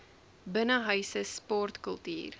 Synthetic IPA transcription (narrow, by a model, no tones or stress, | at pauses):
bənəɦœɥsəspɔrtkəlˠty̰ːr